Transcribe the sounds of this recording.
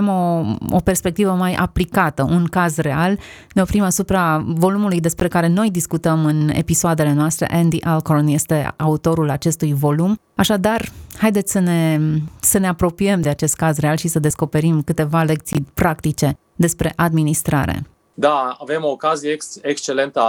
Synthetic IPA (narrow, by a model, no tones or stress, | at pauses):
mo̞o̰pe̞rspe̞k̚t̪ivəmajʔa̰plikat̪əʔunkazre̞al | neofɾimasupɾavo̞lumulujd̪e̞spɾe̞kaɾe̞no̞jd̪iskut̪əmɨnḛpisoad̪e̞le̞noast̪ɾḛʔend̪iʔalkornje̞st̪e̞aut̪o̞ɾulat͡ʃe̞st̪ujvo̞lum | aʃad̪arhajd̪et̪sʲsəne̞səne̞apɾo̞piemd̪e̞at͡ʃe̞st̪̚kazrealʃisəd̪e̞sko̞pe̞ɾimkɨt̪e̞vale̞k̚t̪sijpɾak̚t̪it͡ʃe̞ | d̪e̞spɾe̞̰ʔad̪minist̪ɾa̰ɾḛ | d̪aave̞mo̞ːkazijesekst͡ʃe̞le̞nt̪ə